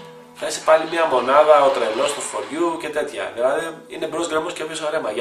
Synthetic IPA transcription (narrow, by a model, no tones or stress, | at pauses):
θɐise̥pɐlimiɐmo̞nɐðɐot̪ɾelost̪ufoɾʝuce̞t̪e̞t̪çɐ̰ðelɐðeinebɾozɣɾemoscepjosoɾemɐʝ